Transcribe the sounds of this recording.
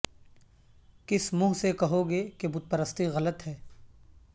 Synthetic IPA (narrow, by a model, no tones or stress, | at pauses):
kɪsmʊːɦsekɐɦoɡekebʊt̪̚pəɾəst̪iɣɐlət̪ɦɛː